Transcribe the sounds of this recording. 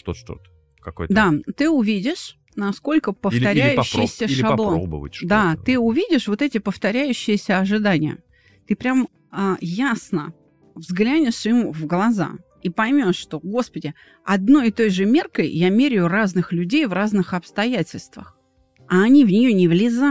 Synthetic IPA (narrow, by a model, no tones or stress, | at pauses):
t̪oʂt̪o̰t̪ə̥ | kɐkojd̪at̪ɨʊvʲidʲɪʂ | nɐsko̞lʲkəpəft̪ʲɐɾʲæjʉɕːɪjsʲəʂɐblˠoobə̰və̰d̪at̪ɨʊvʲidʲɪʂvo̞t̪ɛtʲɪpəft̪ɐɾʲæjʉɕːɪjɪsʲəɐʐɨd̪anʲɪjə̰ | t̪ɨpɾʲam | əjasnə | vzɡlʲænʲɪʂɨmvɡlˠɐza̰ | ipɐjmʲo̞ʂːt̪o̞ɡo̞spədʲɪ | ɐd̪no̞jɪt̪o̞jʐɨmʲerkəjjamʲeɾʲɪʊraznɨxlʲʉdʲejvraznɨxɐpst̪ɐjætʲɪlʲst̪və̰x | ɐːnʲivnʲɪjonʲɪvlʲɪza